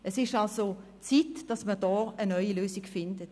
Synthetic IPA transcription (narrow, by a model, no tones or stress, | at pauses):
ɛsɪʃtalso | t͡siːtd̥ɑsmədɔːənœʏiløːsɪɡ̥fɪndət